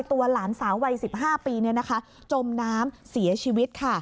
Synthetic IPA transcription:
jt̪u˧ɐlaː˩˦nsaː˩˦wwa˧jsi˨˩p̚ɦaː˥˩piː˧ni˦˥ɐna˦˥kʰa˦˥ | t͡ɕo˧mnaː˦˥msi˩˦ɐt͡ɕʰiː˧wi˦˥t̪̚kʰa˥˩

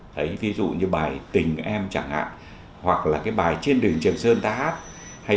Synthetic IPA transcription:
t̪ʰə˨˦jvi˨˦zṵ˧˨ɲɨ˧ɓaː˨˩jt̪ï˨˩ŋ̟ʔɛ˧mt͡ɕa˧˩ŋha̰ː˧˨n | hwa˨˩k̚laː˨˩kaː˨˦jɓaː˨˩jt͡ɕe˧nɗɨ˨˩əŋt͡ɕɨ˨˩əŋsəː˧nt̪aː˧haː˦˥t̚ | ha˧

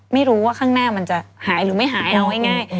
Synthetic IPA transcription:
ma˥˩jɾuː˦˥waː˥˩kʰaː˥˩ŋnaː˥˩ma˧nt͡ɕa˨˩haː˩˦jɾɯː˩˦ma˥˩jɦaː˨˩˦jʔa˧wha˥˩jŋaː˥˩j

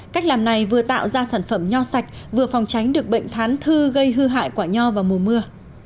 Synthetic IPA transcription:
kaː˦˥k̟̚laː˨˩mna˨˩jvɨ˨˩ət̪a̰ː˧˨wzaː˧saː˧˩nfə˧˩mɲɔ˧sa˨˩jk̟̚ | vɨ˨˩əfɔ˨˩wŋ͡mt͡ɕa˨˦jŋ̟ɗɨ˨˩ək̚ɓə̰˧˨jŋ̟t̪ʰaː˨˦nt̪ʰɨ˧ɣə˧jɦɨ˧ɦa̰ː˧˨jkwaː˧˩ɲɔ˧vaː˨˩mu˨˩əmɨ˧ə

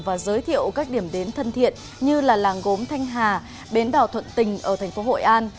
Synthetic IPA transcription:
vaː˨˩zəː˨˦jt̪ʰḭ˧˨əwkaː˦˥k̚ɗi˧˩əmɗe˨˦nt̪ʰə˧nt̪ʰḭ˧˨ən | ɲɨ˧laː˨˩laː˨˩ŋɣo˨˦mt̪ʰa˧jŋ̟ɦaː˨˩ | ɓe˨˦nɗaː˨˩wt̪ʰwə̰˧˨nt̪ï˨˩ŋ̟ʔəː˧˩t̪ʰɛ˨˩jŋ̟fo˨˦ɦo̰˧˨jʔaː˧n

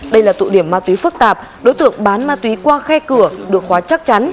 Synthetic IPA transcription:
ɗə˧jlaː˨˩t̪ṵ˧˨ɗi˧˩əmːaː˧t̪wi˨˦fɨ˦˥k̚t̪aː˨˩p̚ | ɗo˨˦jt̪ɨ̰˧˨əŋɓaː˨˦nmaː˧t̪wi˨˦kwaː˧xɛ˧kɨ˧˩əɗɨ˨˩ək̚xwaː˨˦t͡ɕa˦˥k̚t͡ɕa˨˦n

